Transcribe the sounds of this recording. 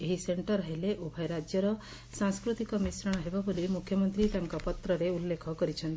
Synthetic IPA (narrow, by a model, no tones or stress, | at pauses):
eɦiseɳʈɔɾɦeleʔobʱaɾad͡ʒjɔɾɔ | sãŋskɾut̪ikɔmisɾɔɽ̃ɦebabolimukʰjɔmɔnt̪ɾit̪aŋkɔpɔt̪ɾɔɾeulːekʰɔkɔɾit͡ʃʰɔnt̪i